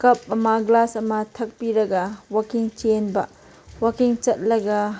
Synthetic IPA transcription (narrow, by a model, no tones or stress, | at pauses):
kɐp̚ɐmɐɡlasɐmɐtʰɐk̚piɾɐɡɐwakiŋt͡ʃenbɐ | wakiŋt͡ʃɐt̚lɐɡɐ